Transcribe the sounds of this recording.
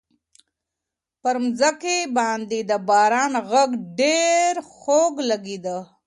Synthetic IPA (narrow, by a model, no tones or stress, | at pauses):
pəɾmzakebɑːnd̪ed̪əbɑːɾɑːnɣaɡɖeɾxoɡlaɡid̪ə